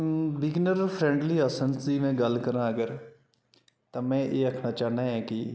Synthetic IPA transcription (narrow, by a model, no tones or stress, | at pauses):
ʋɪɡnəɾpʰɾɛ̃ːɳɖliːəsənsd͡ʒiːmɛ̃ːɡəlkəɾãːəɡəɾ | t̪ãːmɛ̃ːʔeːəkʰnaːt͡ʃaːɦnãːɦɛ̃ːkɪ